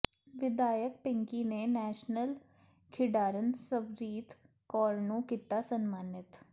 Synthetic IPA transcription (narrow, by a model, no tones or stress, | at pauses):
ʋɪd̪aːjək̚pɪ̃ŋkiːnenɛːʃnəl | kʰɪɖaːɾənsəbɾiːt̪ʰ | kɔːɾnõːkiːt̪aːsənmaːnɪt̪